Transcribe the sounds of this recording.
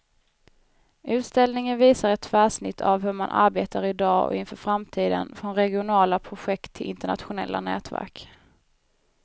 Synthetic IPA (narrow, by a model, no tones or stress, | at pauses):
ʔʉ̟ːt̪st̪ɛlnɪŋənviːsaɾɛt̪ʰːvæːʂnɪt̪ʰːa̰vɦɵɾma̰nʔa̰ɾbeːt̪ʰaɾɪd̪ɑːɔ̰ɪnfœːɾfɾamt̪ʰiːd̪ə̰nfɾɔnɾɛɡɪʊnɑːlapʰɾʊɧɛkt̪ʰːɪlʔɪnt̪əɳa̰t̪ɧʊnɛ̰lːʔa̰nɛ̰ːt̪væ̰ɾk